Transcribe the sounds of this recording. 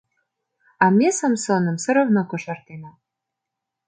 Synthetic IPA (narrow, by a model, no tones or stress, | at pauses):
ɑmʲesəmsonə̆msə̆ɾə̆vnokoʃɑrt̪enɑ